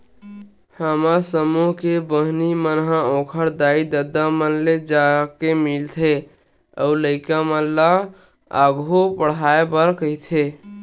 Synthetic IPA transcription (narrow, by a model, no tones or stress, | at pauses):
həmasəmuɦkebəɦnimənɦãõkʰəɾd̪aid̪əd̪amənled͡ʒakemilt̪ʰe | əuləɪkamənla | a̰ɡʱopəɽ̤aebəɾkəɦt̪ʰe